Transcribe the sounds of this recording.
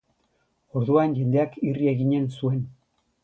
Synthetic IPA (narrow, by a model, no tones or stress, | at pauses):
o̞ɾðuanʝe̞nd̪e̞akirie̞ɣiɲensue̞n